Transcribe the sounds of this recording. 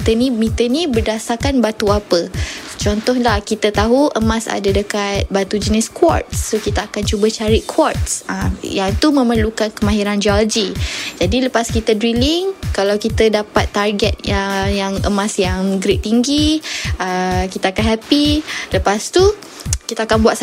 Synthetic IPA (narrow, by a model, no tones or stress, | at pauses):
t̪ənĩmit̪ənibərdasakanbat̪uapət͡ʃɔnt̪ɔhlahkit̪ət̪aɦuʔəmãsa̰dadəkat̪̚bat̪ud͡ʒənɛskwɔ̰rt̪̚ːokit̪aakant͡ʃubat͡ʃaɾiʔkʰwɔrt̚sajaŋt̪umə̃məlukankəmãɦiɾand͡ʒalod͡ʒid͡ʒadiləpaskit̪ədɾiliŋkalawkit̪ədapat̪ːarɡɛt̪̚əjaŋəmãsjaŋɡɾit̪iŋɡiəkit̪aakanɦapiləpast̪u | kit̪aakanbuaʔ̪